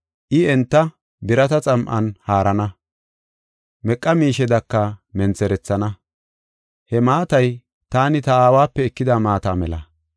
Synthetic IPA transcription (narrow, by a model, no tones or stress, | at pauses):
ʔɪɛnt̪ːɐ | bɪɾɐt̪ɐt͡sʼɐmʔɐ̰nhaːɾɐnɐ | mɛkʼːɐmiːʃɛd̪ɐkːɐmɛnt͡sɛɾɛt͡sːɐnɐ | hɛmaːt̪ɐj | t̪aːnɪt̪ɐaːwaːpːɛɛkːɪd̪aːmaːt̪aːmɛlɐ̰